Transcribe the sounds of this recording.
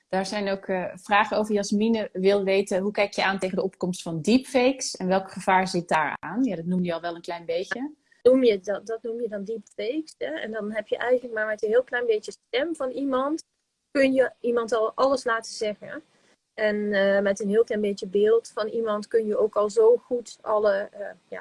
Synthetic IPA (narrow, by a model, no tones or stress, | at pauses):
d̥aːɹzɛjnowkvraːχəowvəɹjasminəʋɪlˠʋejtəɦukɛjkjəaːntejχəndəɔp̚kɔmstfɑndipfejksɛnʋɛlˠkχəv̥aːɹzɪt̚daːɹaːnjaːdɑtnuməɑlˠʋɛlˠənklɛjnbejə | numjəddɔtnumjədɑndipfejksɛɛ̰ndɑnɦɛpjəʔɛjɣənlək̚maːɹmɛtənɦiːlˠklɛjnbetjəstɛmvɑnimɑnt | kɵnjəimɑntɑlˠʔɑlˠəslaːtəzɛɣə̰ | ɛnmɛtənɦɪːlˠklɛjnbetjəbɪːlˠtfɑnimɑntkønjəowkɑlˠzoːχutʔɑləja̰ː